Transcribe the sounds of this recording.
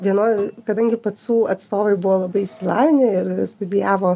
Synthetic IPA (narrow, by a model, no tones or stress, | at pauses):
ʋʲiɛnoːkɐd̪ɐŋʲɡʲɪpɐsuːɐt̪st̪oːʋɐɪbʊʋoːlˠɐbɐɪɪʃʲsʲɪlˠɑːʋʲɪnʲɪɪɾst̪ʊd̪ʲɪjæːʋoː